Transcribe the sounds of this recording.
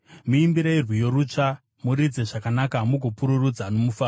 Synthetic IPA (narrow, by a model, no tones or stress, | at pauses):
muimbiɾairwijo̞ɾut͡ʂa | muɾid͡ze̞ʐakanakamuɡʱopuɾurud͡zano̞mufaː